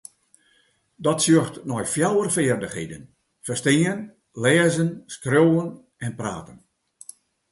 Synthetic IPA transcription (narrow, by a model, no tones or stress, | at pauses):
dɔtsøəxtnɔjfjawərfɪːrdəxhḛdən | fərstɪən | lɛːzənskroːən | ɛnpra̰ːtən